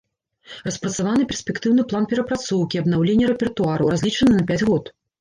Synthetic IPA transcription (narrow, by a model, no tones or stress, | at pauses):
rɐspɾɐt̪savanɨpʲɛrsʲpʲɛkt̪ɨwnɨplˠanpʲɛɾɐpɾat̪sɔwkʲiɐb̪nawlʲenʲːɐɾɛpʲɛrt̪uaɾɐwrazʲlʲit͡ʂɐnɨnɐpʲad͡zʲɣɔt̪